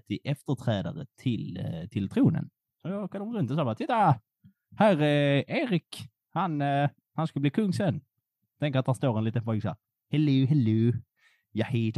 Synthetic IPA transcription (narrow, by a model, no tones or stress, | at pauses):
t̪ʰɪʔɛft̪əʈʰɾɛːd̪a̰ɾə̰t̪ʰɪlt̪ʰɪlt̪ʰɾuːnə̰n | sɔjɑkʰanɔmɾɵnt̪ɔsɑːbɑːt̪ɪt̪ːa | hæɾɛeːɾɪk | han | hanskɵlbliːkʰɵŋːsɛnː | t̪ʰɛŋkəɾat̪̚d̪hæst̪oːɾɛnliːt̪ənfɔlksæ̰ | hɛlːiɦɛlːʉ | jaħiːd̪